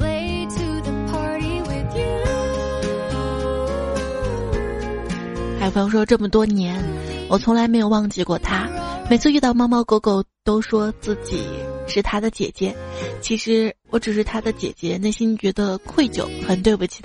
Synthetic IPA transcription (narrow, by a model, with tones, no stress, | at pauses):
weɪ | tʰuðəpʰɑɹɾiwɪðj | xʰa˥˩˥ɑ˥ŋʂwɔ˥ʈ͡ʂɤ˥˩mə˩t̪wɔ˥njɛ˧˥nwɔ˨˩t͡sʰʊ˧˥ŋla˧˥ɪme˧˥ɪjo˨˩ʊwɑ˥˧ŋt͡ɕi˥˧kwɔ˥˩t̪ʰa˥me˨˩ɪt͡sʰɹ̩˥˧y˥˧t̪ɑ˥˩ʊmɑ˥mɑ˥˧˩ko˧˥ʊko˥˩ʊt̪o˥ʊʂwɔ˥t͡sɹ̩˥˩t͡ɕḭ˨˩˦ʂɻ̩˥˩t̪ʰa˥d̪ə˨t͡ɕjɛ̰˨˩t͡ɕjɛ˧˥t͡ɕʰi˧˥ʂɻ̩˧˥wɔ˧˥ʈ͡ʂɻ̩˨˩ʂ̬ɻ̩˥˩t̪ʰa˥d̪ə˨t͡ɕjɛ̰˨˩t͡ɕjɛ˧˥na˥˩ɪɕi˥n˩t͡ɕɥɛ˧˥d̪ə˧kʰwe˥˩ɪt͡ɕjo̰˨˩˦ʊxə˨˩nt̪we˥˧ɪbu˨˩t͡ɕʰi̥˨˩